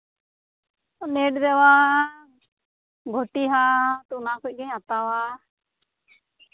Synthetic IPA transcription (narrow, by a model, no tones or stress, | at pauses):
neʈd̪ɛwa | ɡʱɔʈiɦat̪uʔnakuc̚ˀɡɛɲat̪awa